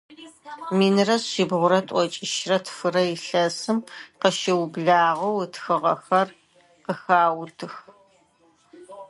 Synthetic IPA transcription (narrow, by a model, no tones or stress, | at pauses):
miːnɨrɐsɕɪbʁʷʊɾɐtʼʷɔt͡ʃʼɪʃrɐtʰfɨrɐjɪɬɐsɨmqəʃɪwbɮaːʁɐwtʰxɨʁɐxɐr | qəxaːwtʰɨx